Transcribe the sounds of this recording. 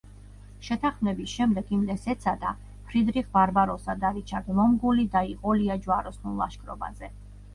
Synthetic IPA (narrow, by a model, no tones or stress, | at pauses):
ʃɛt̪ʰaχmnɛbisʃɛmd̪ɛɡimd̪ɛsɛt̪sʰad̪a | pʰɾid̪ɾiʁvaɾbaɾɔsad̪aɾit͡ʃʰad̪vɔmɡulid̪aiqʼɔliad͡ʒwaɾɔsnulˠlˠaʃkʼɾɔ̰ba̰zɛ